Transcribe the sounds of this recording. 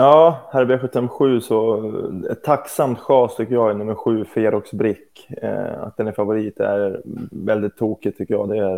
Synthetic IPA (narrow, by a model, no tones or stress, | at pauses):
jɑːhæɾbeːɧɵt̪ːɛmɧʉ̟ːsɔd̪ɛɛt̪ʰːaksamt̪ɧɑːst̪ʰʏkːəjɑːɡɛnɵmːəɾɧʉ̟ːfeɾɔksbɾɪkːa̰t̪̚d̪ɛnæɾfavʊɾiːt̪æ̰ɾvɛld̪ɪt̪ʰːuːkɪt̪ʰʏkːəjɑːd̪ɛæɾ